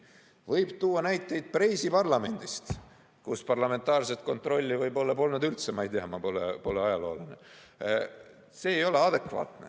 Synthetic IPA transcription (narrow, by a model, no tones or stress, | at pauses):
vɤjb̥t̪uːɑnæjt̪ːˑe̞jd̪̥̚prejsipɑrlɑme̞nd̪̥ist̪ | kuspɑrlɑme̞nt̪ːˑɑːrs̬et̪̚ko̞nt̪ro̞lʲːivɤjbo̞lːɑpo̞lnud̪ylt̪semɑjd̪eɑmɑpolḛpo̞leɑjɑlo̞ːline | se̞ːjo̞le̞ɑd̪̥e̞kvɑ̰ːt̪ne